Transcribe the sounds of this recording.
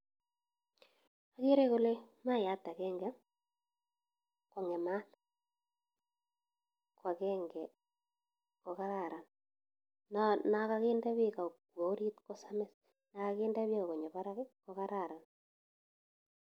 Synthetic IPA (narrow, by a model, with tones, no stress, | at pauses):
a˦ɣe˦ɾe˦ko˦le˦ma˦˨ja˨˦ta˨kɛ˦ŋɡɛ˦ | ko˨ŋɛ˨ma˦n | kwa˨kɛ˦ŋɡɛ˨ | ko˨ka˦ɾa˨ɾa˨n | na˦na˨ka˦ɣe˦nda˦βe˦ka˨kwo˨˦ɾi˦tko˦samɛ˦s | na˨ka˦ke˦nda˦βe˦o˨ɣo˨ɲo˨βa˦ɾa˦ko˨ka˦ɾa˦˨ɾa˨n